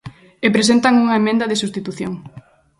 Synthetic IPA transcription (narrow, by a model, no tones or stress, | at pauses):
epɾesent̪aŋuŋɐemẽnd̪ɐðesust̪it̪uθjo̰ŋ